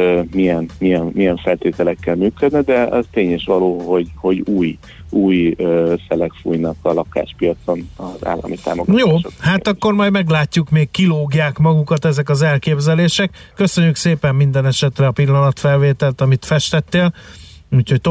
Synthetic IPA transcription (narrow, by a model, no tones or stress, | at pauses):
mijɛnmijɛnmijɛɱfɛlt̪eːt̪ɛlɛkːɛlmyːkød̪nɛd̪ɛɒ̰zt̪eːɲeʃʋɒloːhoɟho̞ɟuːj | uːjøsɛlɛkfṵːjnɒkɒlɒka̰ːʃpijɒt̪so̞nɒza̰ːlːɒ̰mit̪a̰ːmoɡjoːʃohaːt̪ɒkːo̞rmɒjd̪mɛɡlaːcːukmeːkːiloːɡjaːkmɒɡukɒt̪ɛzɛkɒzɛlkeːbzɛleːʃɛkːø̞søɲːykseːpɛmːind̪ɛnɛʃɛt̪rɛɒpilːɒnɒt̪fɛlveːt̪ɛlt̪ɒmit̪fɛʃt̪ɛt̪ːeːl | uːcho̞c̚t̪o